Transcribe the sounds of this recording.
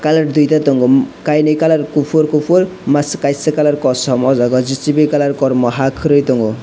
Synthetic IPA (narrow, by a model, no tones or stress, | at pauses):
kalaɾd̪ujt̪at̪ɔŋɡukajnɯjkalaɾkupʰuɾkupʰuɾmaskajsekalaɾkɔsɔmɔzaɡɔd͡zit͡sibekalaɾkɔɾmɔɦakʰɾɯjt̪ɔŋɡu